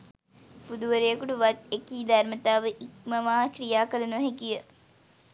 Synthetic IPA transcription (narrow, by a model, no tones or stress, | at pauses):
pud̪uʋəɾejəkuʈuʋat̪ekiːd̪armət̪aːʋəʔik̚məʋaːkɾijaːkəlɐnuʋɐɦekijə